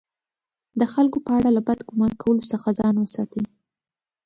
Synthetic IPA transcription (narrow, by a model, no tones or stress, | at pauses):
d̪əxalkopəaɽalabad̪ɡʊmɑɾkʰawəlosəxazɑnwəsɑt̪i